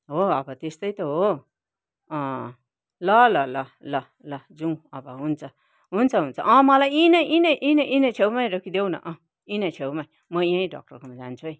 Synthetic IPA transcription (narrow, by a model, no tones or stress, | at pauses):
ɦoʌbʌt̪est̪ʌjt̪ʌɦo | ʌ̃ | lʌlʌlʌlʌ | lʌd͡zuwʌbʌɦunt͡sʰʌ | ɦunt͡sʰʌɦunt͡sʰʌ̰ʔʌ̃mʌlajinʌjʔĩnʌʔĩnʌʔĩnʌ̃t͡sʰewmaj̃ɾʌkʰid̪ewnʌ̰ʔʌ̃ | ĩnʌ̃t͡ʃʰewmai | mʌiãĩɖɔ̰k̚ʈʌɾkomad͡zant͡sʰuj